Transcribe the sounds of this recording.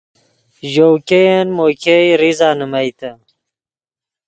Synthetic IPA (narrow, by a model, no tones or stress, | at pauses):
ʑowkejenmoːkʰejɾizaːnəmɐjt̪ə